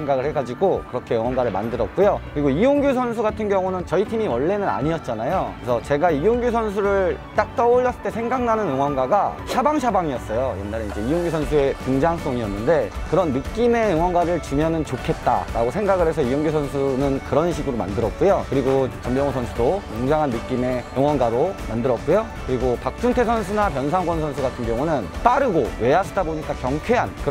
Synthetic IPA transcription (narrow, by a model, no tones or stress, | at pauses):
eŋɡaɡɯɭhe̞ɡad͡ʑiɡokɯɾʌkʰe̞jʌŋwʌnɡwaɾɯɭma̰ndɯɾʌt̚k͈ujokɯɾiɡoijoŋɡjos̬ʰʌns̬ʰuɡatʰɯnɡjʌŋunɯnt͡ɕʌitʰimiwʌɭːe̞nɯna̰ɲiʌt̚t͡ɕ͈anajoesʰʌt͡ɕe̞ɡaijoŋɡjos̬ʰʌns̬ʰuɾɯɭt͈ak̚t͈ʌoʎːʌs͈ɯɭt͈e̞sʰe̞ŋɡaŋnanɯnɯŋwʌnɡwaɡaɕʰabaŋɕ̬ʰabaŋiʌs͈ʌjojḛnːaɾeind͡ʑe̞ijoŋɡjosʰʌnsʰue̞kɯŋd͡ʑaŋs͈oŋiʌnːɯnde̞kɯɾʌnːɯk͈ime̞ɯŋwʌnɡaɾɯɭt͡ɕuɲjʌnɯnt͡ɕokʰe̞t̚t͈a̰ɾaɡosʰeŋɡaɡɯɾɦe̞sʰʌijoŋɡosʰʌnsʰunɯnkɯɾʌnɕʰiɡɯɾoma̰ndɯɾʌt̚k͈ujokɯɾiɡot͡ɕʌmbjʌŋosʰʌnsʰudomoŋd͡ʑaŋɦanːɯk͈ime̞ɯŋwʌnɡaɾomandɯɾʌt̚k͈ujo | kɯɾiɡopak̚t͡ɕ͈uŋtʰesʰʌnsʰunapjʌns̬ʰaŋɡʌns̬ʰʌnsʰuɡatʰɯnɡjʌŋunɯnp͈aɾɯɡowe̞asʰʌdaboɲik͈akjʌŋkʰwe̞ɦankɯ